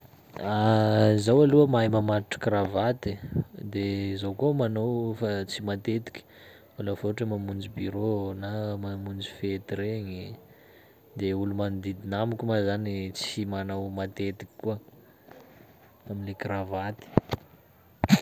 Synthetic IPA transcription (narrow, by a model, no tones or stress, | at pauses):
azawaluəmajmamat̪ʈ͡ʂə̥kɾavat̪id̪ezowkomanowfat͡simat̪et̪i̥kʲi̥ | alafoʈ͡ʂəmamund͡zibiɾonamamund͡zifet̪ɾeɲi | d̪eulumanid̪id̪inamukʲumazanit͡simanawmat̪et̪i̥kʲi̥kuə | aminlekɾavat̪i̥